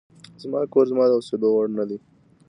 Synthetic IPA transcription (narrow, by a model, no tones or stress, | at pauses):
zmɑːkoɾzmɑːd̪əʊsed̪owaɽnad̪i